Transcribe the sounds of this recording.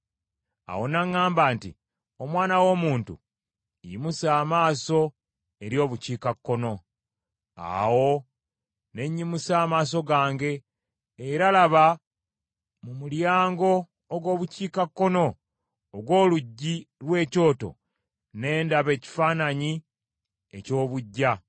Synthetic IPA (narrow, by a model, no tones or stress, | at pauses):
a̰wo̞naŋːaːmbaːntḭ | omwaːnawo̞ːmuːntṵ | imusaːmaːso̞ | eɾjo̞ːβuciːkakːo̞no̞ | a̰wo̞ | ne̞ɲːimusaːmaːs̬o̞ɡaːŋɡe̞ː | ɾalaβa | mumuljaːŋɡo̞ː | ɡwo̞ːβuciːkakːo̞no̞ː | ɡwo̞ːluɟːilwe̞ːco̞ːto̞̰ | ne̞ːndaβe̞ːci̥faːnaɲi | ḛco̞ːβuɟːa